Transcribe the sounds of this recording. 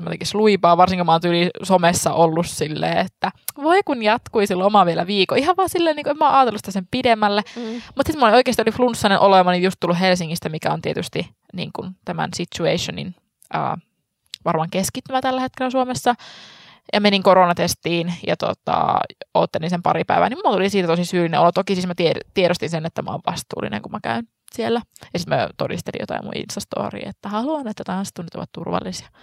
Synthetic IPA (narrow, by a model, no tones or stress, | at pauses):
mæt̪ekisluipɑːʋɑrsiŋkimɑoːnt̪ylisomesːɑʔolːussilːḛːet̪ːæʋoikunjɑt̪kuisilːomɑʋielæʋiːkoihɑʋʋɑːsilːeːniːŋkuemæːʔɑːt̪elusi̥t̪æsempidemːælːemut̪sit̪molioikeːst̪ioliflunsːɑnenʔolemɑnijjust̪ulːuɦelsiŋːist̪æmikæont̪iet̪yst̪i | nḭːŋkunt̪æmæ̰nsit̪ːuḛiʃonḭn | ə̰ː | ʋɑrmɑŋkeskit̪ːymæt̪ælːæhet̪̚kelæsuomesːɑ | jɑmeniŋkoɾonɑt̪est̪iːnjɑ̰t̪o̰t̪ɑ̰ot̪ːelinsempɑɾipæ̰iʋæ̰nimut̪ulisiːt̪æt̪osisyːlinḛʔolot̪okisiːsmæt̪iet̪ieɾost̪insenet̪ːæmæ̰o̰ʋʋɑst̪ṵːlːḭnʔḛŋkumækæyn | sielːæjɑsit̪møt̪o̰dḭst̪elḭjo̰t̪ɑ̰imṵḭnst̪ɑst̪o̰ːrḭːet̪ːæhɑluɑnet̪ːæt̪ɑnst̪uːnːyt̪o̰ʋɑ̰t̪t̪urʋɑ̰lːisiɑ̥